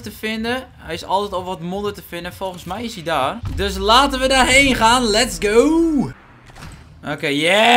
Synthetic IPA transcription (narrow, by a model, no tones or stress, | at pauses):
təfɪndə | hɛjɪsɔ̰lˠtɛtɔlˠʋɔtmodətəfɪndəfɔlˠxənsmɛjɪsidaːrdøs̬laːtəʋədarɦeːnχaːnlɛtsɡoː | ʔoːkeːjɛ